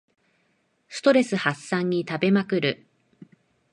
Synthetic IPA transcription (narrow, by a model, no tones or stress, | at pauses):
sɨ̥t̪o̞ɾe̞sɨhasːãɲ̟ːit̪abe̞makɯ̟ɾɯ̟